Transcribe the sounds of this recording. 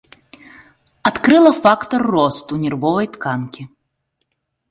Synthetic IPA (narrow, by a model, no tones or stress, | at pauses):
at̪kɾɨlˠɐfakt̪ɔrːɔst̪unʲɛrvɔvɐjt̪kankʲi